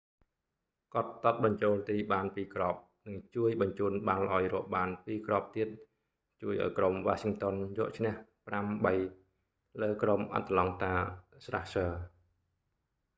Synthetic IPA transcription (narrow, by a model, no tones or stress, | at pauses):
kŏət̪̚ːɑt̪̚ɓɑɲt͡ɕoːlt̪iːɓaːnpiːkrɑːp̚ | nɨŋt͡ɕuəjɓɑɲt͡ɕuːənɓalʔaɔjrɔ̆əʔɓaːnpiːkrop̚t̪iət̪̚ | t͡ɕuəjʔa̰ɔjkromʋaːsiŋt̪onjɔəʔt͡ɕʰnɛ̆əhpramɓəj | ləːkromʔa̰t̪ːəlɑŋt̪aːsra̰hsəː